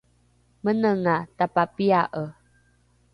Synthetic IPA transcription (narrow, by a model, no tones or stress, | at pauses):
mənəŋatapapiaʔə